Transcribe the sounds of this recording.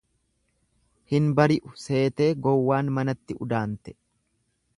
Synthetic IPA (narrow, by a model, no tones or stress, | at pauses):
hɪnbɐɾɪʔʊse̞ːt̪e̞ːɡɔwːaːnmɐnɐt̪ːɪʊ̰d̪aːnt̪ɛ̥